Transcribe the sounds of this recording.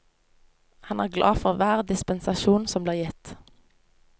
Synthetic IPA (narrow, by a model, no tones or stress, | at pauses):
hɑnæːʁɡlʔɑ̰ːfɔʁʋæːʁd̪ɪspənsɑʃuːnsɔmbliːʁjɛt̪